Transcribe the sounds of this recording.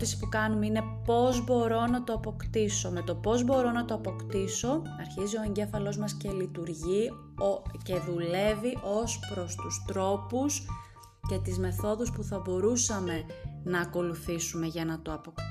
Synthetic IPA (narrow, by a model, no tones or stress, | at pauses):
isi̥pukɐnumeine̞po̞zbo̞ɾo̞nɐt̪oɐpo̞kt̪iso̞me̞t̪o̞po̞zbo̞ɾo̞nɐt̪o̞ɐpo̞kt̪iso̞ | ɐɾçizio̞e̞ɲɟe̞fɐlo̞zmɐsce̞lit̪uɾʝi | ce̞ðule̞viʔo̞spɾo̞st̪ust̪ɾo̞pus | ce̞t̪izme̞θo̞ðuspuθɐbo̞ɾusɐme̞nɐːko̞luθisume̞ʝɐnɐt̪oɐpok̪